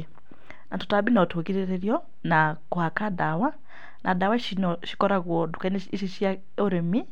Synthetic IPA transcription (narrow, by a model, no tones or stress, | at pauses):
nato̥tabinatʰokiɾeɾeɾjɔ | nakohakadawa | nʔadawaʃinɔʃi̥kɔɾaɣwɔdukaneiʃiʃia | oɾemi